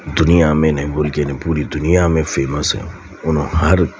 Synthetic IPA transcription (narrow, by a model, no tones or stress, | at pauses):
d̪unijamẽnɛ̃bolkenĩpuːɾid̪unijamẽfeːmɐsɛ̰̃ | unũhɐɾ